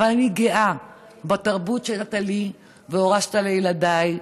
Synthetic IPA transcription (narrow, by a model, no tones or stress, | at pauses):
avalaniɡeʔa | bat̪aʁbutʃeat̪ali | veo̞ʁaʃt̪alejladaj